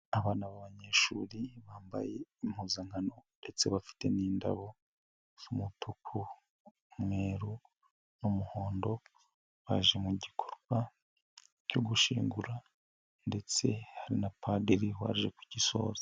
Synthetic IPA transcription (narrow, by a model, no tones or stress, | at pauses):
aβaːnaβaβaɲe̞ːʃuːɾiβaːmba̰je̞imhuːzaŋ̥hano̞nde̞t͡se̞βafi̥te̞niːnda̰βo̞ | z̥umutukʰu | mweːɾu | numuho̞ːndo̞ | βa̰ʒe̞muɟikʰo̞ɾɡwa | coɡuʃiːŋɡuɾa | nde̞t͡se̞haɾinapʰade̞ɾiwa̰ʒekwiciso̞̰ːzḁ